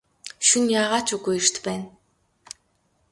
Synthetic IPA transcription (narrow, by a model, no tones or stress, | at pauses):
ʃunjaːʁaːt͡ɕuɣujer̥t̪pæːn